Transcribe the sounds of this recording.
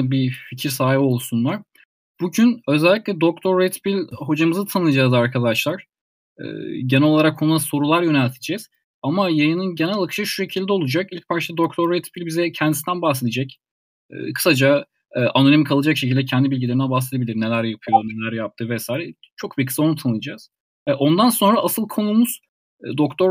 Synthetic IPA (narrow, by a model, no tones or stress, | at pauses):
bificʰiɾsaːɦibo̞lˠsunlˠaɾ̥ | b̥uɟynø̞zɛlʲːiclʲɛd̪o̞k̚t̪ʰoɾːet̪bilʲɦo̞d͡ʒamɯzɯt̪ʰanɯjad͡ʒaːzaɾkʰad̪aʃlˠaɾ̥ | ɯ̰ːɟenɛo̞lˠaɾakʰonuaso̞ɾulˠaɾjø̞nælʲt̪ʰid͡ʒɛz̥ | amajajɯnɯnɟenælʲˠakʰɯ̥ʃɯʃu̥ʃe̞cʰilʲd̪ɛo̞lˠud͡ʒakilʲc̚pʰaɾt͡ʃʰt̪ad̪o̞k̚t̪ʰoɾːet̪bilʲbizɛcʰɛnd̪isinænbahse̞d̪ed͡ʒɛcː | kʰɯ̥sad͡ʒa | ʔanolʲimikʰalˠad͡ʒakʃecʰilʲd̪ɛcʰɛnd̪ibilʲɟilʲe̞ɾinɛbahse̞d̪ebilʲiɾne̞lʲæɾjapʰɯjo̞ɾne̞lʲæɾjap̚t̪ʰɯvɛsaːjiɾɛ | t͡ʃʰo̞k̚bikʰɯ̥saonut̪ʰanɯlˠad͡ʒaːz̥ | ɛʔo̞nd̪anso̞nɾaasɯlˠkʰo̞numuz̥ | d̪o̞kt̪ʰo